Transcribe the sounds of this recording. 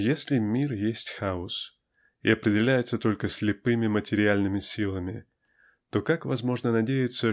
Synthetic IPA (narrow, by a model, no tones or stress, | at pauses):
jesʲlʲɪmʲirjesʲtʲxaʊs | ɪ̰ɐpɾʲɪdʲɪlʲæjɪt̪sət̪o̞lʲkəsʲlʲɪpɨmʲɪmətʲɪɾʲɪalʲnɨmʲɪsʲilˠəmʲɪ | t̪o̞kakvɐzmo̞ʐnənɐdʲejɪt̪sə